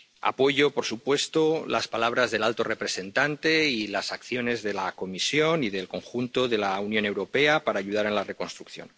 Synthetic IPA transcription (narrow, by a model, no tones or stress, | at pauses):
a̰po̞ʝo̞po̞ɾsupwe̞st̪olaspalaβ̞ɾazðe̞lalt̪o̞re̞pɾe̞se̞nt̪ant̪e̞ilasakθjo̞ne̞zðe̞lako̞misjo̞niðe̞lko̞ŋxunt̪o̞ðe̞launjo̞ne̞wɾo̞pe̞apaɾaːʝuð̞aɾe̞nlare̞ko̞nst̪ɾukθjo̞̰n